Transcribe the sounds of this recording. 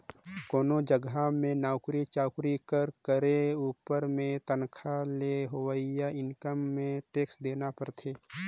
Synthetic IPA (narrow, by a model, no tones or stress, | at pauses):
koːnod͡ʒəɡamẽnaːʊkɾit͡ʃaːʊkɾikəɾkəɾeuːpəɾmẽt̪ənkʰaleɦoʋəijaɪnkəmːẽʈeːksd̪eːnapəɾt̪ʰeː